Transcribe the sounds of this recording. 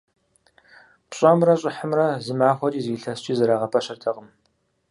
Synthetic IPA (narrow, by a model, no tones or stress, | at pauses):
pɕʼɐmrɐɕʼɪħəmrɐzɨmaːxʷɔtʼiːziɪɬɐst͡ʃʼiːzɐɾaːʁɐpʰɐɕɐrtʰɐqʼəm